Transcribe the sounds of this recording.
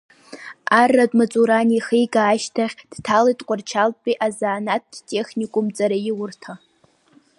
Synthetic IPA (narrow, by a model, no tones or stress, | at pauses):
arːadʼmat͡sʼuɾaniχijɡaːʃtʰaχʲd̥tʰalajtʼqʷʼʊrt͡ʃʰalʼpʼiʔazaːnat̚tʼe̞χnʲikʷʼʊmt͡sʼaɾajɪwʊrtʰa